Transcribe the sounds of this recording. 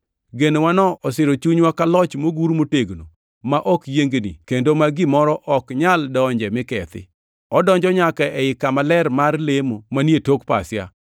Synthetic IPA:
ɡenewanɔɔsɪɾot͡ʃuɲwakalɔt͡ʃmoɡuɾmoteɡno̰ | maʔɔkjeŋɡnḭkendomaɡɪmɔɾɔʔɔkɲaldɔɲd͡ʒɛmɪkɛt̪ɪ̰ | ɔdɔɲd͡ʒɔɲakaʔɛɪkamalɛɾmarlemomanjetokpa̰sɪa̰

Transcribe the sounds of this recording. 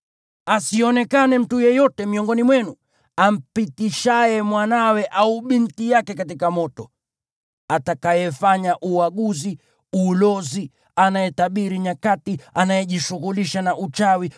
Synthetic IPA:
asiɔnɛkanɛm̩tujɛjɔtɛmiɔŋɡɔnimwɛnu | am̩pitiʃajɛmwanawɛʔauɓintijakɛkat̬ikamɔtɔ | atakajɛfaɲaʔuwaɠuzi | ulɔzi | anajɛtaɓiɾiɲakatianajɛʄiʃuɣuliʃanaʔut͡ʃawi

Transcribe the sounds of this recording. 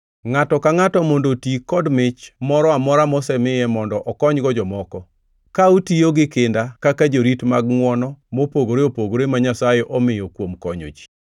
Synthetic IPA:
ŋatɔkaŋatɔmɔndotikɔdmɪt͡ʃmɔɾɔamɔɾamɔsɛmɪjɛmɔndɔʔɔkɔɲɡɔd͡ʒɔmɔkɔ | kautijoɡɪkɪndakakad͡ʒoɾitmaɡŋwɔnɔmopoɡoɾeopoɡoɾemaɲasajɛʔɔmɪjokwomkɔɲo̰d͡ʒi̥

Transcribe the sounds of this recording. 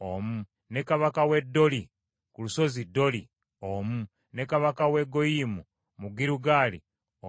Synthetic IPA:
omu | ne̞kaβakawe̞dːo̞li | kuluso̞zidːo̞li | omu | ne̞kaβakawe̞ɡo̞jimu | muɡiɾuɡaːlḭ | o

